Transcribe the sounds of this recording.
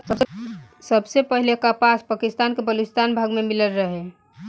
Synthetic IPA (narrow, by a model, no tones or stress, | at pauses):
ət̪səbsepəɦilekapaspakist̪ankebəlist̪anbʱaɡmemiləlɾəɦe